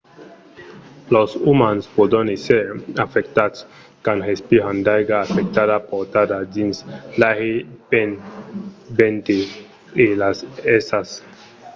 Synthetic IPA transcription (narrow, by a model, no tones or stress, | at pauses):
losumanspod̪oniseafekt̪at̪s | kanhespiɦand̪ajɡaːfek̚t̪adapoɾt̪ad̪ad͡ʒinslaɣepen | bent̪iː | lasesas